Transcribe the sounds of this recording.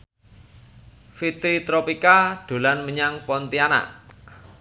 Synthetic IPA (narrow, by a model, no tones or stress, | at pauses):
fit̪ɾit̪ɾɔpikaɖ̪̥o̤lanməɲaŋpɔnt̪iana̰ʔ